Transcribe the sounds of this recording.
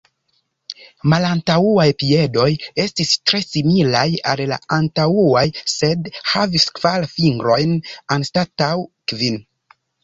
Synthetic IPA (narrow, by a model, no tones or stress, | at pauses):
malantauajpie̞do̞je̞stistɾe̞similajalla̰antauajse̞dhaviskv̥alfiŋɡɾo̞jnanstatawkvin